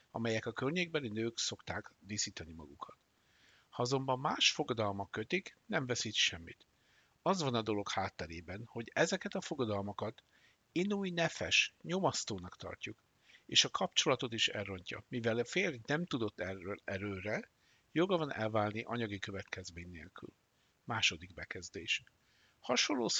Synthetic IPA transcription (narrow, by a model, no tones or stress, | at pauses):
ɒ̰mɛjɛkɒkørɲeːɡ̚bɛlinøːkso̞kt̪aːkd̪isiːt̪ɒnimɒ̰ɡukʰɒt̪ | hɒɒzo̞mbɒmːaːʃfo̞ɡɒd̪ɒlmɒkːøt̪iknɛɱvɛsit̪ʃɛmːit̪ | ɒzvɒnɒd̪o̞lo̞khaːt̪ːɛɾeːbɛnho̞ɟɛzɛkɛt̪ɒfo̞ɡɒd̪ɒlmɒkɒt̪ | inuːjnɛfɛʃɲo̞mɒst̪oːnɒkt̪ɒ̰rcuk | eːʃɒkʰɒpt͡ʃo̞lɒt̪o̞t̪iʃɛ̰rːo̞ɲcɒ̰mivɛlfeːrnɛmt̪ud̪o̞t̪ːɛɾøːɾɛ | jo̞ɡɒvɒnʔɛ̰lvaːlniʔɒɲɒɡikø̞vɛt̪kɛzmeːɲnḛːlky̰l | maːʃo̞d̪iɡbɛkɛzd̪eːʃ | hɒʃolːoː